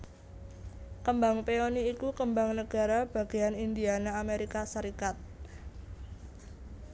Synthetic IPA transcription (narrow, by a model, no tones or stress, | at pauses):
kəmbaŋpeoniːkukəmbaŋnəɡ̥a̤ɾab̥a̤ɡ̥e̤janind̪ianaameɾikasəɾikat̪̚